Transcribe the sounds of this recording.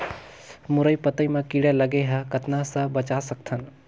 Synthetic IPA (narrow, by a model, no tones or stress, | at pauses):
mʊɾəipɐt̪əimãkiɽelɐɡeɦɐkɐt̪ʰnasəbɐt͡ʃasɐk̚t̪ʰɐn